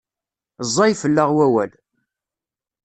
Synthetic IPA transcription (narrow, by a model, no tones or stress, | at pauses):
zˤːɑjfəlːəʁwæwæl